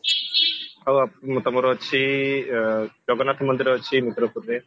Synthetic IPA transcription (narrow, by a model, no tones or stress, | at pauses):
awat̪ɔmɔɾɔt͡ʃʰi | d͡ʒɔɡɔnat̪ʰmɔnd̪iɾɔət͡ʃʰimit̪ɾɔpuɾɾe